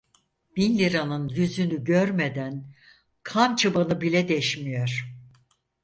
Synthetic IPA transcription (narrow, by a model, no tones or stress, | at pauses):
b̥inlʲiɾanɯnjyzynyɟøɾmed̪æn | kʰamt͡ʃʰɯbanɯbilʲɛd̪ɛʃmijoɾ̥